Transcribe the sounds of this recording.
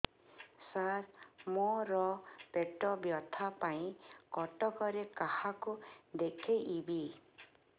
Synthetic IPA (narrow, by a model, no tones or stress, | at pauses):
saɾmɔɾɔpeʈɔbjɔt̪ʰapaĩkɔʈɔkɔɾekahakud̪ekʰejʔibi